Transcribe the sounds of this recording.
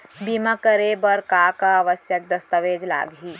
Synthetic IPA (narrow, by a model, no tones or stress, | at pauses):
bimakəɾebəɾkakaːʋəsjək̚d̪əst̪əʋeːd͡ʒla̰ːɡɦi